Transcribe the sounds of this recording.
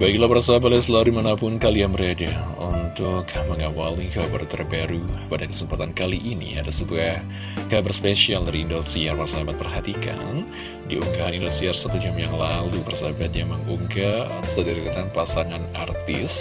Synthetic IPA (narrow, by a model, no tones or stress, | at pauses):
baikilabəɾasabat̪asəlauɾdimanapʊnkaliaŋməɾedaṵnt̪ʊkməŋawalikabərt̪ərbaɾupadakə̥səmpat̪ankaliʔinḭa̰dasubah | kabərspeʃialdaɾiːndotiarmarsaabat̪̚pərɦat̪ika̰n | dḭuŋɡaɦanindosiarsat̪ud͡ʒamjaŋlalubərsabat̪̚ɲaməŋuŋɡasədaɾikat̪anpasaŋanart̪ɪ̰s